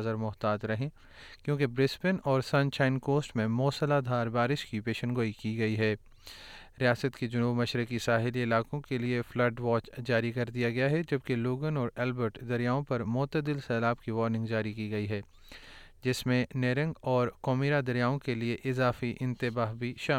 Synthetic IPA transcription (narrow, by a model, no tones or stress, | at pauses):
zəɾmʊɦt̪aːd͡ʒ̪ɾɐɦẽ | kjõːkebɾɪspɪnɔːɾsɐ̃nt͡ʃaːɪnkoːsʈmẽmɔːsəlaːd̪ʱaːɾbaːɾɪʃkipeːʃənɡoːikiɡɐiɦɛː | ɾijaːsət̪ked͡ʒʊnuːbmɐʃɾəkisaːɦɪliɪlaːkõkelieflɐɾɖʋaːt͡ʃd͡ʒaːɾikɐɾd̪ijaɡɐjaɦɛd͡ʒɐb̚keloːɡənɔːɾɛːlbəɾʈd̪ɐɾijaːõpɐɾmɔːt̪əd̪ɪlsɛːlaːb̚kiʋɔːɾnɪ̃ŋɡd͡ʒaːɾikiɡɐiɦɛː | d͡ʒɪsmẽneːɾə̃ŋɡɔːɾkɔːmiːɾad̪ɐɾjaːõkelieʔɪzaːfiʔɪ̃nt̪ɪbaːɦbʱiʃaː